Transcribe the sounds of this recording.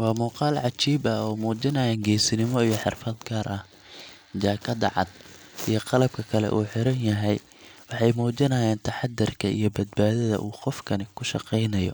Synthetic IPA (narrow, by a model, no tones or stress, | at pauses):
wɑːmuːqɑːlʕɑt͡ʃiːbɐɔːmuːt͡ʃɪnɐjaːŋɡɛːsɪnɪmɔijɔħɪrfɐd̪ɡʰaɾʔɐh | t͡ʃaːkʰɐd̪ɑ̰ʕɑ̰d̪̚ | ʔijɔqɑlɐb̚kʰɐkʰɐlɛ̰ʔṵːħɪɾɐnjɐɦɛj | wɑħɑjmuːt͡ʃɪnɐːjaːnt̪ʰɐħɑd̪ːɪrkʰɐʔḭjɞbɐd̪baːðɐðɐ̰ʔuːqɔfkʰɐnɪkʰʊʃɑ̰qɛjnɐjɔ̰